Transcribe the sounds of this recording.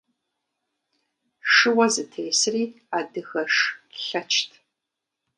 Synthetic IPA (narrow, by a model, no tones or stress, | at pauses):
ʂɨwɐzɨtʰeːsɨriː | aːdɨɣɐʂɬɐt͡ʃʰtʰ